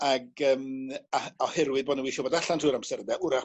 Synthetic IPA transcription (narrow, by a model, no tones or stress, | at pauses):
aɡəːmaɔhɛɾwɪðboɔːdnəwiːʃɔbodaɬantʰruːɾamsɛrdɛʔʊɾa